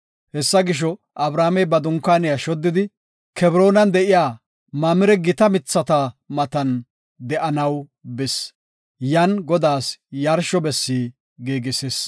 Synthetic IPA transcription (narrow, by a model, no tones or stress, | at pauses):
hɛsːɐɡɪʃ̬ɔ | ʔɐbɾaːmɛjbɐd̪ʊŋkːaːnɪjɐʃɔd̪ːɪd̪ɪ | kɛbɾo̞ːnɐnd̪ɛʔɪjaː | maːmɪɾɛɡɪt̪ɐmɪt͡sːɐt̪ɐmɐt̪ɐn | d̪ɛʔɐnɐwbɪs | jɐnɡɔd̪aːsjɐɾʃɔbɛsːiː | ɡeːɡɪses